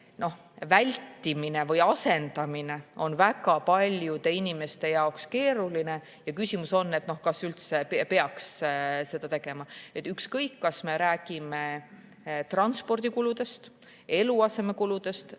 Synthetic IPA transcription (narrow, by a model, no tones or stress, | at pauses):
no̞h | vælʲt̪ːimine̞vɤjɑse̞nd̪̥ɑmine̞o̞nvækɑpɑlʲjud̪e̞inime̞st̪e̞jɑokske̞ːɾuline̞ | jɑkysimuso̞nːe̞t̪ːno̞hkɑsylt̪se̞pepe̞ɑksse̞d̪̥ɑt̪e̞ɡ̥e̞mɑet̪ːˑykskɤjkːɑsme̞ɾæːɡ̥ime̞ | t̪rɑnspo̞rd̪̥ikulud̪̥e̞st̪ | e̞luɑse̞me̞kulud̪̥e̞st̪